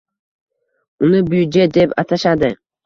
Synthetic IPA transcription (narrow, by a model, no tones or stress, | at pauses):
ʊnɪbyjd͡ʒed̪e̞pa̰t̪ʰaʃad̪ɪ